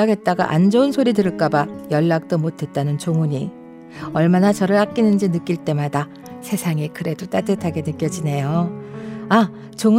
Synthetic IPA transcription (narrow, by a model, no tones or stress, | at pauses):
aɡe̞t̚t͈aɡa̰ʔa̰nd͡ʑʌunsʰoɾidɯɾɯɭk͈abajʌɭːak̚t͈omotʰe̞t̚t͈anɯnt͡ɕoŋuɲi | ʌɭmanat͡ɕʌɾɯɭak̚k͈inɯnd͡ʑinɯk͈iɭt͈e̞mada | sʰe̞sʰaŋikɯɾe̞dot͈atɯtʰaɡe̞nɯk͈jʌd͡ʑine̞jo | a | t͡ɕoŋu